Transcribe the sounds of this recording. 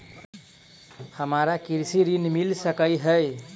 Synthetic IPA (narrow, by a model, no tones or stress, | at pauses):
həmaɾakiɾsiɾinmilsəkəjɦəj